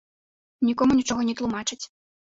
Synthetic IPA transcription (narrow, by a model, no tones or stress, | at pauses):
nʲikɔmunʲit͡ʂɔɣɔnʲɛt̪lˠumat͡ʂɨt͡sʲ